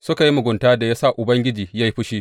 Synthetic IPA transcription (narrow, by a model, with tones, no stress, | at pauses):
sʊ˦ka˨ji˦mʊ˨ɡʷʊ˨ntaː˦da˨jaː˦sa˦˨ʔʊ˨bɐ˦ŋɡʲɪ˦d͡ʒiː˨ja˦ji˦ɸʊ˦ʃiː˦